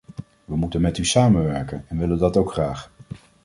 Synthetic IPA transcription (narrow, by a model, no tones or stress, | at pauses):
ʋəmutənmɛtysaːmənʋɛɹkənɛnʋɪləndɑtowkχraːχ